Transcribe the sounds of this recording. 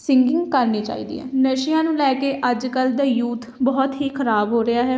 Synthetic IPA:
sɪŋɡɪ̃ŋɡkəɾniːt͡ʃa̰ːḭːd̪ḭːɦɛ̰ːnəʃɪjãːnũːlɛːkeːʔəd͡ʒkəld̪aːjuːt̪bɔːt̪ɦiːkʰəɾaːbɦoːɾɪjaːɦɛː

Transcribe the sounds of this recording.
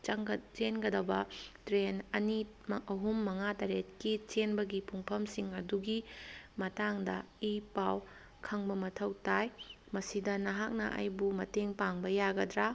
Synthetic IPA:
t͡ʃenɡɐdɐwbɐtɾenɐni | mɐɦumːɐŋataɾet̚kit͡ʃenbɐɡipʰuŋpʰɐmsiŋɐduɡimɐtaŋdɐ | ipaw | kʰɐŋbɐmɐtʰɐwtaj | mɐsidɐnɐɦak̚nɐ̰ʔa̰jbumɐteŋpaŋbɐjaɡɐdɾa

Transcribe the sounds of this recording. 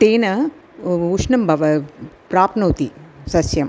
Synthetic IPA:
ʈ̪eːnɐ | uʂnɐmbʱɐʋɐpɾaːpnoːt̪isɐsjɐm

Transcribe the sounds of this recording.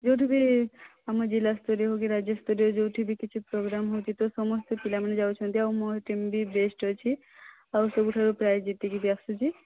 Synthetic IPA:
d͡ʒowʈʰibiamad͡ʒilast̪oɾeɦokeɾad͡ʒest̪ɔɾiod͡ʒowʈʰibikit͡ʃʰupɾoɡɾamɦowt͡ʃʰit̪osɔmɔst̪opilamnad͡ʒawt͡ʃʰɔnt̪iawmɔɦʈimbibesʈot͡ʃʰi | awsɔbuʈʰaɾupɾajd͡ʒit̪ːikib̪iaksut͡ʃʰi

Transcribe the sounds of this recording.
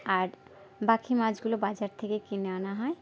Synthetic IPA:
aɾ | bakʰimad͡ʑɡulobad͡ʑaɾt̪ʰekekineanaɦɔe

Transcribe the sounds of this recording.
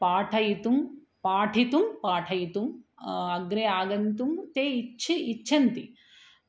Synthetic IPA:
paːʈʰɐjit̪um | paːʈʰit̪umpaːʈʰɐjit̪umɐɡɾeaːɡɐnt̪umt̪eːit͡ʃʰiit͡ʃːʃʰɐnt̪i

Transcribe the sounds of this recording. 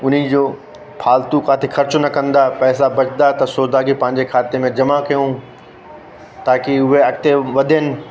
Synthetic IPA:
ʊn̤id͡ʑoː | pʰaːlt̪ukaːt̪ʰexʰɐɾt͡ɕʊnɐkɐ̃nd̪apɛːsabɐt͡ɕd̪at̪ɐsʊːɾd̪aːɡipɐ̃ɦɪ̃ɲd͡ʑekʰaːt̪emẽd͡ʑɐmakɐjũ | t̪aːkɪʊɦeɐk̚t̪eʋɐd̪ʱenɪ̆

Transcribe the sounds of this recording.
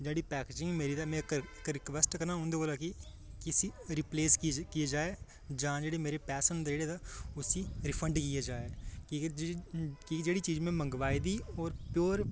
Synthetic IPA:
d͡ʒeːɽiːpɛːkeːd͡ʒɪ̃ŋɡmeːɾiːd̪aːmɛ̃ːkkɾɪkʋɛsʈkənaːɦõːnd̪eːoːlaːkɪ | kɪsiːɾɪpleːskɪeːd͡ʒaːeː | d͡ʒãːd͡ʒeːɽeːmeːɾeːpɛːsənd̪d͡ʒeːɽeːd̪aːʊsiːɾɪpʰəɳɖkɪjeːd͡ʒaːeː | kid͡ʒeːɽiːt͡ʃiːd͡ʒmɛ̃ːməŋɡʋaːid̪iːɔːɾpjoːɾ

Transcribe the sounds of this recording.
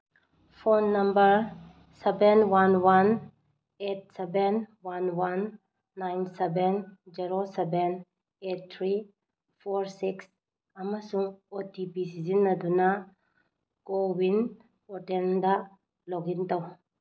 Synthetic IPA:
fonːɐmbəɾ | sɛbɛnwanwan | et̚sɛbɛnwanwanː | ajnsɛbɛnd͡ʒiɾosɛbɛn | et̚t̪ʰɾi | foɾsiks | amasuŋot̪ipisizinːad̪una | ɡowin | ɔʈɛnd̪a | lɔɡint̪aw

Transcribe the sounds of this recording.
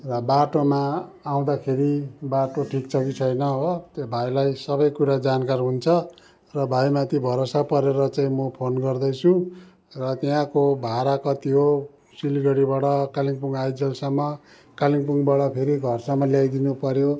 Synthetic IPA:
rʌbaʈomaː | w̃d̪akʰeɾibaʈoʈʰikt͡sʰʌkit͡sʰʌjnʌɦot̪ebʱajlajsʌbʌjkuɾad͡zankarɦunt͡sʰʌ | rʌbʱajmat̪ibʱʌɾosapʌɾeɾʌt͡saĩmʌpʰonɡʌrd̪ʌjt͡sʰũ | rʌt̪jãkobʱaɾakʌt̪iɦo | siliɡʌɽibaɽʌkaliŋpuŋajd͡zʌlsʌmːʌ | kaliŋpuŋbaɽʌpʰeɾiɡʱʌrsʌmːʌljajd̪inupʌɾjo

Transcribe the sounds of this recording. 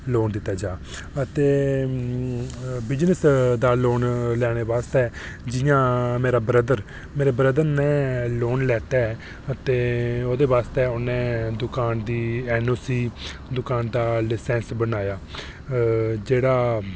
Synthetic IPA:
loːnd̪ɪt̪ːaːd͡ʒaː | ət̪eː | bɪd͡ʒnəsd̪aːloːnlɛːɽ̃eːʋaːst̪ɛːd͡ʒɪjãːmeːɾaːbɾəd̪əɾ | meːɾeːbɾəd̪əɾnɛ̃ːloːnlɛːʈɛː | ət̪eːoːd̪eːʋaːst̪ɛːʊnẽːd̪ʊkaːnd̪iːɛːnoːsiːd̪ʊkaːnd̪aːlɪsɛ̃ːnsbənaːjaː | d͡ʒeːɽaː

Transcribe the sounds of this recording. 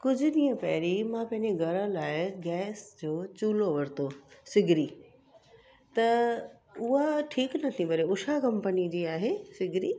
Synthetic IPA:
kʊd͡ʑʱʊ̆ɗĩːə̃pɐɦɪɾimãpɐ̃ɦɪ̃ɲd͡ʑeɡʱɐɾə̃laːɪɡɛːsd͡ʑoːt͡ɕuːloʋɐɾt̪ʰosɪɡʱɾiː | t̪ɐ | ʊɦaʈʰiːknɐt̪ʰĩbɐɾeʊʃakɐ̃mpənid͡ʑiːaːɦesɪɡʱɾiː

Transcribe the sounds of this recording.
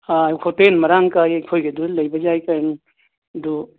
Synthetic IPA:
ajkʰotenmɐɾaŋkajekʰojɡeduləjbad͡ʒajkaɾn | du

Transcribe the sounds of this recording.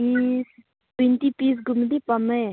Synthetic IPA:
iːs | pint̪ipiːs̬ɡʊmd̪ipɐme

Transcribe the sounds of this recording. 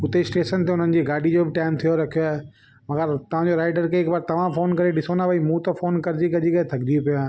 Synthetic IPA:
ʊt̪esʈeːʃənt̪eʊn̤ənɪ̆d͡ʑiːɡaːɖʱid͡ʑoːbɪʈaːɪmt̪ʰijoɾɐkʰijoaːɦe | mɐɡəɾt̪ɐʋ̤ãd͡ʑoɾaːɪɖəɾkeɪkbaɾt̪ɐʋ̤ãfoːnkɐɾeɗɪsoːnaʋɐimũt̪ɐfoːnkɐɾɪd͡ʑikɐd͡ʑikɐet̪ʰɐɡɾijupijaːɦ

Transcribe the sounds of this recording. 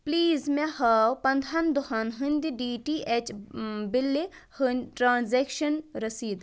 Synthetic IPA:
pliːzmɛ̃hɐwpɐ̃nd̪ʱɐnd̪ʊɦɐnɦɨnʲd̪iɖiːʈiʔet͡ʃbɪlːehɨnʈɾãːnzeːkʃɐnɾɐsiːd̪

